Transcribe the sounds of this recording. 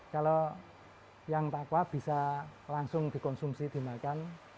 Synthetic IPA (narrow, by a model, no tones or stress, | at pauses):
kalo | jaŋt̪akwab̥i̤salaŋsʊŋd̪̥i̤kɔnsumsid̪̥i̤makan